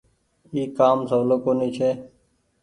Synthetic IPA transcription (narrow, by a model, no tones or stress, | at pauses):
iːkaːmsəʋloːkoːniːt͡ʃʰeː